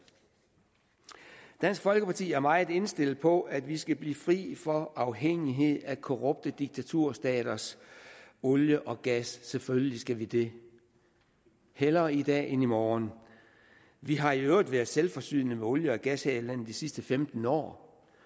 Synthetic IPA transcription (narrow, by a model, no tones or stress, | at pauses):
d̥æn̰sɡ̥fɒ̽lɡ̥əpʰɑ̈t͡sʰḭːæɐmɑ̈ɪð̩ˠe̝nsd̥e̝l̰̩pʰɒ̽æd̥ʋisɡ̥æb̥liːfʁḭːfɒ̽ʔɑ̈ʊɦeŋ̰iɦe̝ð̰ˠækʰoʁɔ̽b̥̚d̥əd̥iɡ̥̚t͡sʰæt͡sʰuɐ̰sd̥ɛ̰ːɾ̥ɐs | ɔ̽ljəʔɒ̽ɡ̥æsːeføljəlisɡ̥æʋid̥e̝ | helɐːid̥ɛ̰ːe̝nimɒːn | ʋiɦɑ̈iøʊʁid̥ʋæɐðˠselfɒ̽sy̰ːnəmeɔ̽ljəɒ̽ɡ̥æshɛːlæn̰n̩d̥isisd̥əfemd̥n̩ɒ̰ː